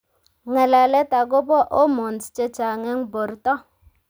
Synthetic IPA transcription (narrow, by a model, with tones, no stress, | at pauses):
ŋɛ˨la˨lɛ˦ta˨ɡo˦bɔ˦ʔo˦mo˨nt͡st͡ʃe˦t͡ʃa˨ŋɛ˦ŋbo˨ɾtɔ˦